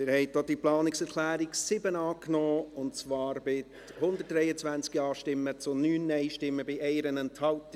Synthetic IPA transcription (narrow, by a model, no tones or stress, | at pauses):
mɪːɾhɛɪt̚d̥od̥iplɑːnɪksɛɾklæːɾiksɪbənɑːknɔːʊntt͡svɑːɾbɪt | hʊndət̚dɾɛɪət͡svænt͡skiɑːʃtɪmːət͡sʊnyːnːɛɪʃtɪmːəbɪʔɛɪɾənɛnthɑlt